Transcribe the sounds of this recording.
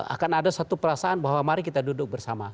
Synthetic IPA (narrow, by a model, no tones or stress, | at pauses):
a̰kanadasat̪upəɾasaanbaɦwamaɾikit̪adudʊk̚bərsama